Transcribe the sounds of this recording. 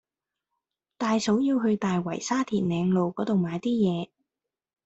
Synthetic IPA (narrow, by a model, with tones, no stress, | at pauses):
t̪aː˨jso˨˥wjiː˧wɦɵ˧ɥt̪aː˨jwɐ̰˨˩jsaː˥t̪ʰiː˨˩n̚nɛː˨˧ŋlo˨wkɔː˨˥t̪o˨wmaː˨˧jt̪iː˥jɛː˨˧